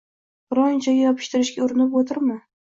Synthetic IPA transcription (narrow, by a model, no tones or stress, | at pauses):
ɾɒnt͡ʃʰaɡʲajɒpʰɪ̥ʃt̪ɪɾɪʃɡʲaʊɾɪnɪpot̪ʰɪɾmɪ